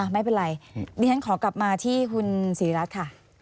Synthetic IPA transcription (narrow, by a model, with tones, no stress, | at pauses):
ma˥˩jpe˧nɾa˧jdiː˧t͡ɕʰa˦˥nkʰɔː˩˦kla˨˩p̚maː˧t̪ʰiː˥˩kʰu˧nsiː˨˩˦ɾa˦˥t̪̚kʰa˥˩